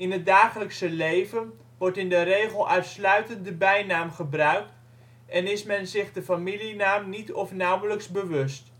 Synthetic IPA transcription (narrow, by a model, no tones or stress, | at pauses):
ɪnɦət̚daːχələksəlejvən | ʋɔɹtɪndəɾejχəlˠʔœɥtslœɥtəndəbɛjnaːmχəbrœɥk̚t | ʔɛnɪsmɛnzɪχdəfamilinaːmnitɔfnawələksbəʋɵst